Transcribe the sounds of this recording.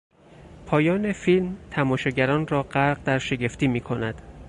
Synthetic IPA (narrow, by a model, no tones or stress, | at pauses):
pʰɒːjɒːne̞filmt̪ʰæmɒːʃɒɟæɾɒːnrɒːɢæɾɢd̪æɾʃe̞ɟe̞ft̪iːmiːkʰonæd̪̥